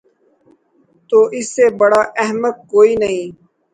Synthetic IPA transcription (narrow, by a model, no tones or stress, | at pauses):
t̪oːʔɪsːebəɽaːʔɛɦmək̪̚koːiːnəɦĩː